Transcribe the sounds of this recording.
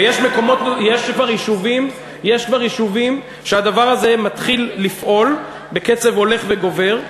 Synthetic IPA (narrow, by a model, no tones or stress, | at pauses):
jeʃme̞ko̞mo̞t̪jeʃkvaʁiʃuvim | jeʃkvaʁiʃuvim | ʃead̪avaʁaze̞mat̪χilːifʔo̞l | be̞ke̞t͡se̞vo̞le̞χve̞ɡo̞ve̞ʁ